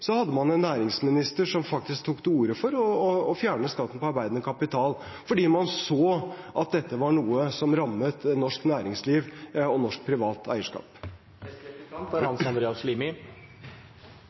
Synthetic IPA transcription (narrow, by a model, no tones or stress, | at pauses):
sɔhɑd̪ːəmɑnɛnːæːɾɪŋsmɪnɪst̪əʂɔmfɑk̚t̪ɪsk̚t̪ʰuːkt̪uːɾəfɔɾɔɔːfjæːɳəskɑt̪ːn̩pɔɑɾbæɪd̪nəkʰɑpɪt̪ʰɑːl | fɔɖiːmɑnsoːʔɑt̪̚d̪ɛt̪ːəʋɑɳuːəsɔmɾɑmːət̪nɔʂknæːɾɪŋsliːʋɔnɔʂk̚pʰɾɪʋɑːt̪ʰæ̰ɪəʂkɑ̰ːp | ɑnsɑnd̪ɾeːɑslimɪ